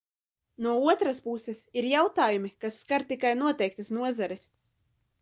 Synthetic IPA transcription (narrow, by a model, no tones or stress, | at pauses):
nuɔuɔt̪ɾaspusɛsiɾjawt̪aːjumikasːkaɾt̪ikajnuɔt̪ɛjk̚t̪asnuɔzaɾis